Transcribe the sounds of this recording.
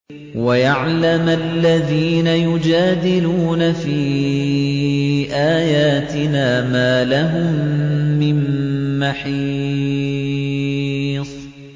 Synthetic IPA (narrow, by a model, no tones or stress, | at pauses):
wajaʕlamalːaðiːnajʊd͡ʒaːd̪ɪluːnafiː | ʔaːjaːt̪ɪnaːmaːlaɦʊmːɪmːaħiː | sˤ